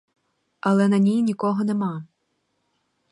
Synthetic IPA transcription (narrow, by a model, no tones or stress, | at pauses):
ɐlˠɛnɐnʲijnʲikɔɦɔnemɑ